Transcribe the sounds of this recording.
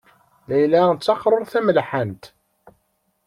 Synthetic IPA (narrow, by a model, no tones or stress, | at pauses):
læjlænt͡sːɑqɾˤoɾˤθæməlħənt̪